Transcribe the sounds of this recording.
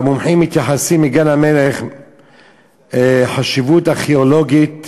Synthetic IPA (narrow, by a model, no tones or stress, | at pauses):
mumħimːit̪jaħasimːiɡanameleχ | ħaʃivut̪aχeoloɡit̪